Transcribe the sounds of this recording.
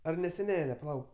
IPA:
ɐr nʲɛ sʲɛˈnʲæːlʲɛ pɐˈlˠɐʊk

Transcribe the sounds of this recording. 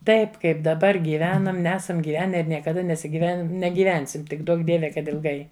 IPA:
ˈtɐɪp ˈkɐɪp dɐˈbɐr ɡʲiːˈʋʲæːnɐm ˈnʲæːsɐm ɡʲiːˈʋʲæːnʲɛ ɪr nʲiɛkɐˈdɐ nʲɛsʲɪˈɡʲɪʋʲɛn nʲɛɡʲiːˈʋʲɛnʲsʲɪm ˈtʲɪk ˈduɔk ˈdʲiɛʋʲɛ kɐt ɪlˠˈɡɐɪ

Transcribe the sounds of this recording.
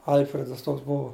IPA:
ˈɐlʲfʲrʲɛdɐs ˈtoːks ˈbʊʋoː

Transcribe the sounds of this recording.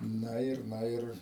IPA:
ˈnɐ ɪr ˈnɐ ɪr

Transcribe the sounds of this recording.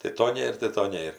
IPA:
tɐɪ ˈtoː ˈnʲeːr tɐɪ ˈtoː ˈnʲeːr

